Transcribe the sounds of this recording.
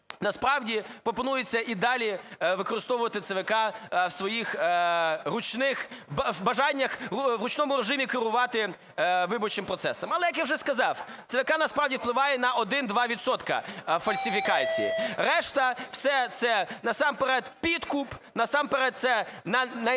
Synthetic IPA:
nɐspɾɑwdʲipɾɔpɔnujet͡sʲːɐʔid̪ɑlʲiʋɪkɔɾɪst̪ɔʋʊʋɐt̪ɪt̪seʋekɑwsʋɔjix | rʊt͡ʃnɪxbbɐʒɑnʲːɐxʋɾʊt͡ʃnɔmʊɾeʒɪmʲikɪɾʊʋɑt̪ɪ | ʋɪbɔt͡ʃɪmpɾɔt̪sɛsɐmɐlˠɛjɐkjawʐʒɛskɐzɑwt̪seʋekɑnɐspɾɑwdʲiwplˠɪʋɑjɛnɐʔɔd̪ɪnd̪ʋɑʋʲidt̪sɔt̪kɐ̰fɐlʲsʲɪfʲikɑt͡sʲḭjḭɾɛʃt̪ɐw̥sɛt̪sɛnɐsɑmpeɾɛt̪pʲid̪kupnɐsɑmpeɾɛt̪̚t̪sɛnɐnɐ

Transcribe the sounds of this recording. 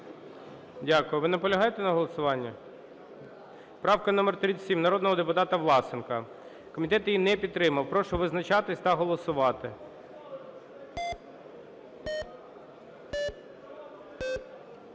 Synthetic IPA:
dʲakʊjʊʋɪnɛpɔlʲɐɦɑjet̪ɛnɐɦɔlˠɔsʊʋɑnʲːɐ | pɾɑwkɐnɔmɛrt̪ɾʲit͡sʲsʲimnɐɾɔd̪nɔɦɔd̪epʊt̪ɑt̪ɐʋlˠɑsɪnkɐ | kɔmʲit̪ɛt̪jinɛpʲid̪̚t̪ːɾɪmɐwpɾɔʃɔʋɪznɐt͡ʃɑt̪ɪsʲt̪ɐɦɔlˠɔsʊʋɑt̪ɪ

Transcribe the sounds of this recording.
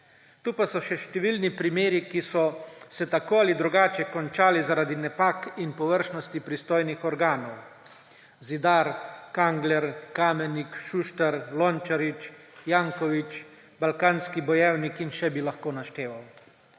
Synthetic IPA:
t̪uːpasɔʃɛʃt̪ɛʋilnipɾimeːɾikisɔsɛt̪akoːalid̪ɾuɡaːt͡ʃɛkɔnt͡ʃaːlizaɾaːd̪inɛpaːkinpɔʋəɾʃnɔst̪ipɾist̪oːjnixɔɾɡaːnɔw | zid̪aːɾkaŋɡlɛɾkaːmɛnikʃuʃt̪ɛɾlɔnt͡ʃaɾit͡ʃ | jaːŋkɔʋit͡ʃ | balkaːnskibɔjɛwnikinʃɛbilaxkoːnaʃt̪eːʋaw

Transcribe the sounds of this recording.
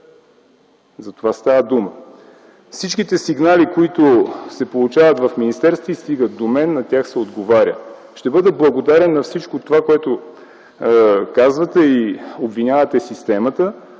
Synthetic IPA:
zɐt̪ovast̪avəd̪umə | fsit͡ʃkit̪ɛsiɡnalikoit̪ʊsɛpolˠut͡ʃavət̪vɐfminist̪ɛɾst̪voist̪iɡət̪̚d̪omɛnːɐt̪ʲjaxsɛod̪ɡovaɾʲjə̰ | ʃt̪ɛbɤd̪ɛblˠɐɡod̪aɾɛnːɐfsit͡ʃkot̪ovakoɛt̪o | kazvət̪ɛiobvinʲavət̪ɛsist̪ɛmɐt̪ə

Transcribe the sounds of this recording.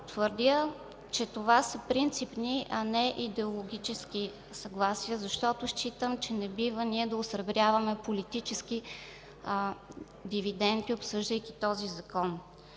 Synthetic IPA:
t̪vəɾd̪ʲə | t͡ʃɛt̪ovasəpɾint̪sipniʔɐnɛʔid̪ɛolˠoɡʲit͡ʃɛski | sɐɡlˠasijəzɐʃt̪ɔt̪ʊʃt͡ʃit̪əmt͡ʃɛnɛbivəniɛd̪ɐosɾɐbɾʲjavəmɛpolit̪it͡ʃɛski | d̪ivid̪ɛnt̪iopsɤʒd̪əjkʲit̪ɔzizɐkɔn

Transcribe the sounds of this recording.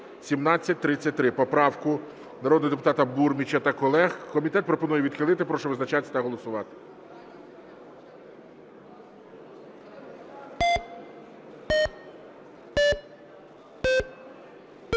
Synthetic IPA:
sʲimnɑt͡sʲːɐt̚ʲt̪ɾɪt͡sʲːɐtʲt̪ɾɪpɔpɾɑwkʊ | nɐɾɔd̪nɔɦd̪epʊ̥t̪ɑt̪ɐburmʲit͡ʃɐt̪ɐkɔlˠɛxkɔmʲit̪ɛt̪̚pɾɔpɔnujɛʋʲid̪xɪlˠɪt̪ɪpɾɔʃɔʋɪznɐt͡ʃɑt̪ʲːt̪ɐɦɔlˠɔsʊʋɑt̪ɪ̥

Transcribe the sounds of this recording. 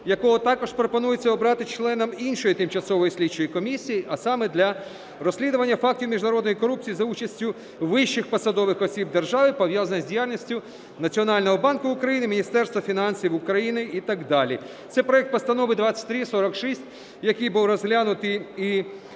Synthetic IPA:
jɐkɔɦɔt̪ɑkɔʃpɾɔpɔnujet͡sʲːɐɔbɾɑt̪ɪt͡ʃlˠɛnɐminʃɔjit̪ɪmt͡ʃɐsɔʋɔjisʲlʲid̚t͡ʃɔjikɔmʲisʲːijiʔɐsɑmɛd̪lʲɐ | ɾɔsʲlʲid̪ʊʋɐnʲːɐfɑk̚tʲiwmʲiʒnɐɾɔd̪nɔjikɔɾup̚t͡sʲijizɐut͡ʃɐsʲtʲʊ | ʋɪʃːɪxpɐsɐd̪ɔʋɪxɔsʲib̚d̪erʒɑʋɪpɔʋjazɐnɐzʲdʲijalʲnʲisʲtʲʊ | nɐt͡sʲiɔnɑlʲnɔɦɔbɑnkʊʊkɾɐjinɪmʲinʲist̪ɛrst̪ʋɐfʲinɑnʲsʲjiwʊkɾɐjinɪit̪aɡd̪ɑlʲi | t̪sɛjpɾɔjɛk̚t̪̚pɔst̪ɐnɔʋɪd̪ʋɑt͡sʲːɐ̥tʲt̪ɾʲisɔɾɐkʃisʲtʲ | jɐkɪjbuwrɔzɦlʲanʊt̪ɪi

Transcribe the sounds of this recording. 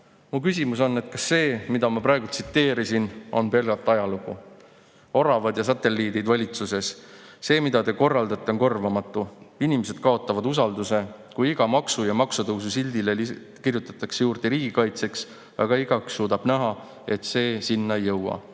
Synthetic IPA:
mukysʲimuso̞nːe̞t̪kɑsːe̞ːmid̪̥ɑmɑpɾɑeɡult̪sit̪ːe̞ːɾisino̞̰npe̞lɡ̥ɑt̪ːˑɑjɑluɡu | o̞ɾɑvɑd̪jɑsɑt̪ːe̞lːiːd̪id̪vɑlʲit̪suse̞sse̞ːmid̪̥ɑt̪e̞ko̞rːɑld̪̥ɑt̪ːˑeonko̞rvɑmɑt̪ˑːuinimese̞d̪̥̚kɑo̞t̪ːˑɑvɑd̪us̬ɑld̪use̞ | kujiɡ̥ɑmɑksujɑmɑksut̪ɤwsusilʲd̪ileli | kirjut̪ːˑɑ̥t̪ːˑɑksejuːrd̪̥e̞ɾiːɡikɑjt̪se̞ks | ɑ̰ɡɑiɡɑksːuːd̪ɑb̥næɦɑ | e̞t̪se̞ːsinːɑejːɤwɑ̰

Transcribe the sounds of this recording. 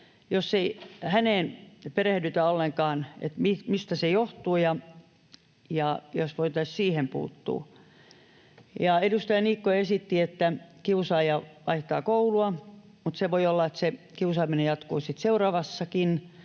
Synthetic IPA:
josːeihæneːnperehdyt̪æolːeŋkɑːnḛt̪mimist̪æsejoht̪uːjɑ | jɑjosʋoit̪ɑissiːhempṵːt̪ːṵː | jɑedust̪ɑjɑniːkːoesit̪ːiet̪ːækiusɑijɑʋɑ̰iht̪ɑːkouluɑ | mut̪seʋoiolːɑet̪se | kiusɑːminejɑt̪koːsit̪seurɑːʋɑsːɑkin

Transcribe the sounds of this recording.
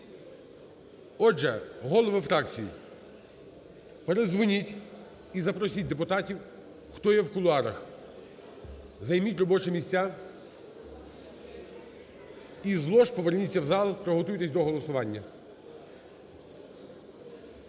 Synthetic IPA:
ɔʒɛɦɔlˠɔʋɪfɾɑkt͡sʲijḭ | peɾezʋʊnʲitʲ | izɐpɾɔsʲit̚ʲd̪epʊt̪ɑtʲiw | xt̪ɔjɛwkʊlˠʊɑɾɐx | zɐjmʲitʲrɔbɔt͡ʃemʲisʲt͡sʲa | izlˠɔʃpɔʋernʲit͡sʲːɐwzɑlˠpɾɔɦɔt̪ujt̪esʲd̪ɔɦɔlˠɔsʊʋɑnʲːɐ

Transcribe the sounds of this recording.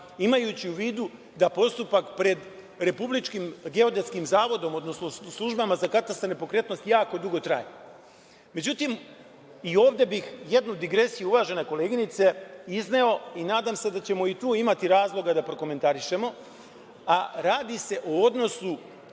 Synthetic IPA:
imajut͡ɕiuʋiːd̪u | d̪apo̞st̪upakpɾe̞d̪ | ɾe̞publit͡ʃkimɡe̞o̞d̪et̪skimzaːʋo̞d̪o̞mo̞d̪no̞snoslˠuʒbamazakat̪ast̪anepo̞kɾe̞t̪no̞st̪jaːko̞d̪uɡo̞t̪ɾa̰ːje | me̞d͡ʑut̪im | io̞ːʋd̪e̞bixje̞d̪nud̪iɡɾe̞sijuuʋaːʒe̞neko̞le̞ːɡinit̪se̞izne̞o̞inaːd̪amse̞d̪at͡ɕe̞mo̞it̪uːimat̪iɾaːzlˠo̞ɡad̪apɾo̞ko̞me̞nt̪aɾiʃe̞mo̞ | aɾaːd̪ise̞ʔood̪no̞su

